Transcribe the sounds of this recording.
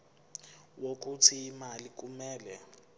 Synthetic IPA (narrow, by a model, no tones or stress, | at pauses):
wok̬ʼutʰiːmalik̬ʼumɛːlɛ